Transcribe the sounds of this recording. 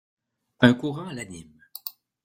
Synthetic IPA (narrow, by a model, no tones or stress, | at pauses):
ɛ̃kuʁɑ̃alanim